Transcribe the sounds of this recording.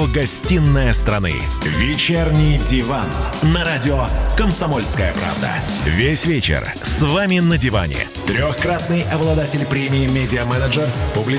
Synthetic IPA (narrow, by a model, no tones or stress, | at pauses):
oɡɐsʲtʲinːəjəst̪ɾɐnɨ̰ | vʲɪt͡ɕernʲɪjdʲɪvan | nɐɾadʲɪokəmsɐmolʲskəjəpɾa̰vd̪ə̰ | vʲesʲvʲet͡ɕɪ̰r | svamʲɪnədʲɪva̰nʲɪ̰ | t̪ɾʲoxkɾat̪nɨjɐblˠɐd̪atʲɪlʲpɾʲemʲɪːmʲedʲɪəmɛnəʐɨrpʊblʲɪ